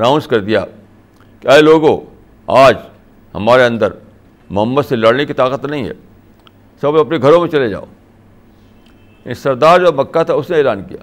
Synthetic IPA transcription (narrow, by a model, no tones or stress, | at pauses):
ɾãːʊ̃nskɐɾd̪ija̰ | kaːeloːɡõ | aːd͡ʒ | hɐ̰maːɾeɐ̃nd̪əɾ | mʊɦəmːət̪selɐɽnekit̪aːkət̪nɐɦĩɦɛ̰ː | sɐbɐpneɡʱɐɾõmẽt͡ʃɐled͡ʒa̰ːo̰ː | sɐɾd̪aːɾd͡ʒobɐkːat̪ʰaʊsneeːlaːnkḭja̰ː